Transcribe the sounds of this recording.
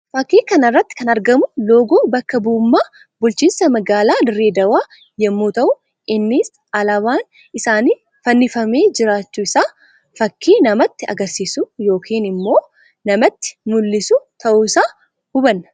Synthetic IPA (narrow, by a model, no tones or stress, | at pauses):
fɐkːiːkɐnɐrːɐt̪ːɪ̥kɐnɐɾɡɐmʊlo̞ːɡoːbɐkːɐbuːmːaː | bʊlt͡ʃiːnsɐmɐɡaːlaːd̪ɪrːeːd̪ɐwaː | jɛmːuːt̪ɐʔʊ | ɪnːis | ɐlɐβaːn | ɪsaːniː | fɐnːɪfɐme̞ːd͡ʒɪɾaːt͡ʃːuːɪsaː | fɐkːiːnɐmɐt̪ːɪɐ̰ɡɐɾsiːsujo̞ːkʰiːnɪmːo̞ː | nɐmɐt̪ːɪ̥mʊlːɪsut̪ʰɐʔuːɪsaː | hʊbɐnːɐ